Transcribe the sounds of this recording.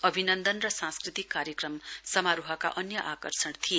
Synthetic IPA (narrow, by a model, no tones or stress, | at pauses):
ʌbʱinʌnd̪ʌnrʌsãnskrit̪ikːaɾjekrʌmsʌmaɾuɦʌka̰ʔʌnjʌʔakʌrsʌɽt̪ʰije